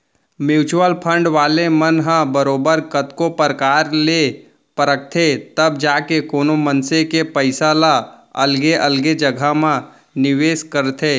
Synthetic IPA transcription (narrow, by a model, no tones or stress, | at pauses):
mjuːt͡ʃuwəlpʰə̃ɳɖʋaːlemənɦãbəɾoːbəɾkət̪kopəɾkaːɾle | pəɾək̚t̪ʰet̪əbd͡ʒaːkekoːnomənsekepəɪsalaɐ̰lɡeʔəlɡed͡ʒəɡʱamã | nɪʋeːskəɾt̪ʰeː